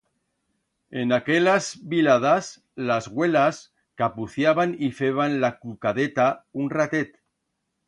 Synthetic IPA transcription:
enakelazβilað̞as | lazɣwelas | kapuθjaβanifeβanlakukaðet̪aunrat̪et̪

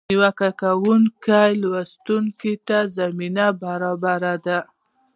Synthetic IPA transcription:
niwakakawuŋkajlwast̪uŋket̪azaminabaɾɑbaɾad̪a

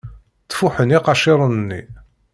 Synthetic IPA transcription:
t͡sːfuħəniqɑʃɪɾˤənənːḭ

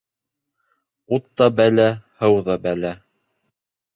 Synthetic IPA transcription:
ut̪ːɑbælæhɤwðɑbælæ

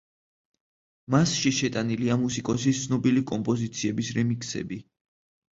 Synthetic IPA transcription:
masʃiʃɛt̪ʼaniliamusikʼɔsit̪sʰnɔbilikʼɔmpʼɔzit̪sʰiɛbisɾɛmikʰsɛ̰bi

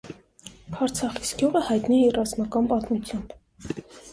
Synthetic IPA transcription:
ɑɾt͡sʰɑχi̥sɡjuʁəhɑjt̪niɛirɑzmɑkɑnpɑt̪mut͡sʰjɑmb

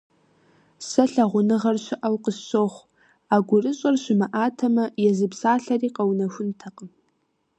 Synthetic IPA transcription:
sɐɬɐʁʷʊnɨʁɐrɕʷɪʔɐwqəɕoχʷ | aːɡʷʊrɨɕʼɐrɕɪmɐʔaːtʰɐmɐjɛzɨpsaːɬɐriːqɐwnɐxʷʊntʰɐqʼəm

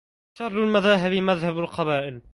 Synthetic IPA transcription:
ʃɑrˤːalmaðaːɦɪbmaðhabalqɑbaːʔɪl

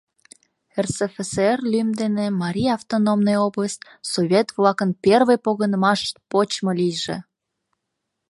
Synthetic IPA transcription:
ersefeserlymd̪enemɑɾʲiɑft̪onomnojobləst̪ | soβʲet̪vlɑkənpʲervəjpoɣənəmɑʃt̪̚pot͡ɕmolijʒḛ

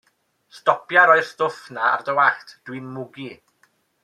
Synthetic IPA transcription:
stɔpʰjaɾɔɨrstʊθnaa̰rdəwaχtʰd̥winmʊɡi

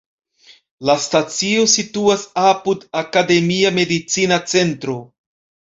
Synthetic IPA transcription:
lastat͡sio̞situasapudakade̞miame̞dit͡sinat͡se̞ntɾo̞

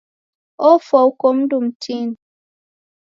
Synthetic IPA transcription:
ofɔwkom̩dum̩tʰin

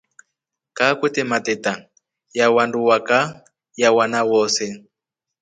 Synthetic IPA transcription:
kakwɛtɛmatɛta | jawanduwaka | jawanawɔːsɛ

